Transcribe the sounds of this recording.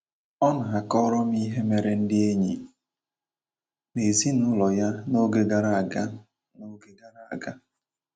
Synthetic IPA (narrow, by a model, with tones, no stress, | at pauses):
ɔ˦na˨a˨kɔ˦ɾɔ˦m̩˦i˦ɦe˦me˨ɾe˦n̩˦dɪ˦e˦ɲi˨ | me˨zi˦nʊ˦lɔ˨ja˦no˦ɡe˦ɡa˦˨ɾa˦a˨ɡa˦ | no˦ɡe˦ɡa˦˨ɾa˨a˨ɡa˦